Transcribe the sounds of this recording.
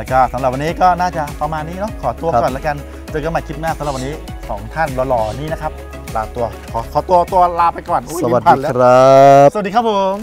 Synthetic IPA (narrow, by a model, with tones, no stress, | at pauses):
lkʰaː˥˩sa˩˦mɾa˨˩wa˧niː˦˥kɔː˥˩naː˥˩t͡ɕa˨˩pa˧maː˧nːiː˦˥˩nɔ˦˥kʰɔː˩˦t̪u˧ɐ˦ɔː˨˩nlɛː˦˥ka˧n | t͡ɕɤː˧˩ka˧ma˧˩jkʰi˦˥t̪̚maː˥˩sa˨˦ɾ̚wa˧niː˦˥ | sɔ̰ː˩˦ŋt̪ʰa˥˩nlɔː˧lɔː˧niː˦˥˩na˦˥kʰa˦˥p̚ | laː˧t̪u˧ɐkʰɔː˩˦kʰɔː˩˦t̪u˧ɐt̪u˧ɐlaː˧pa˧jkɔː˨˩nʔu˧˦˥a˨˩ai˧˩˦ɾa˦st̚diː˧kʰa˥p̚o˧˦ŋ